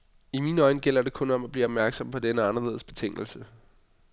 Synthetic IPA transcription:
imiːnɒ̽ɪnəɡ̥el̰ɐde̝kʰɔ̽nɒ̽mæb̥liːɒb̥̚mæɐɡ̥sɒ̽mpʰɒ̽d̥enəɑ̈nɐle̝ð̞̰ˠsb̥e̝t͡sʰe̝ŋ̰l̩sə

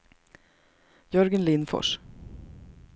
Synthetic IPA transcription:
jɵɾɡənlɪnfɔ̰ʂ

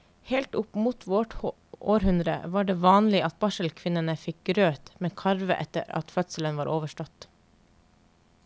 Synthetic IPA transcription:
heːlt̪ʊpmuːt̪ʰʋɔʈ | ʔoːɾhʉnd̪ɾə̰ʋɑːɖeːʋɑːnlɪʔɑt̪̚bɑʃəlkʰʋɪnənəfɪk̚ɡɾøːt̪meːkʰɑɾʋə̰ʔɛ̰t̪ə̰ɾɑ̰t̪fœt̪sələnʋɑːɾʔoːʋəʃʈɔt̪

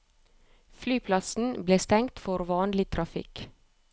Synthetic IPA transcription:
flyːpʰlɑsn̩bleːst̪ɛŋt̪fɔɾʋɑːnlɪt̪ʰɾɑfɪ̰k

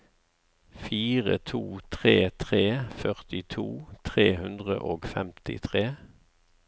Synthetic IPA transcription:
fiːʁə̰t̪ʰuːt̪ʰʁeːt̪ʰʁeːfœʁt̪ɪt̪ʰuːt̪ʰʁeːhʉnd̪ʁə̰ʔoːɡfɛmt̪ɪ̰t̪ʰʁeː

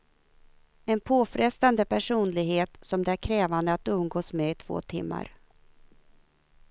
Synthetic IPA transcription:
ɛnpʰoːfɾɛst̪and̪əpʰæʂuːnlɪɡheːt̪sɔmd̪ɛæɾkʰɾɛːvand̪əat̪̚d̪ɵmɡoːsmɛɪt̪ʰv̥o̰ːt̪ʰɪmːa̰ɾ

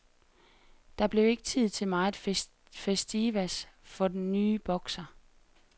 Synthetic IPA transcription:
d̥ɑ̈b̥le̝ʊe̝ɡ̥ət͡sʰið̞̰ˠt͡sʰe̝lmɑ̈ɪ | fesd̥iʋæsfɒ̽d̥enːyːb̥ɒ̽ɡ̥sɐ

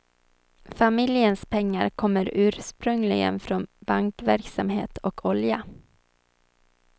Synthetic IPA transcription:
famɪljənspʰɛŋːa̰ɾkʰɔmːəɾʉ̟ːɾʂpɾɵŋlɪɡə̰nfɾonbaŋkvæɾksamhḛːt̪ʰɔkʰɔlja

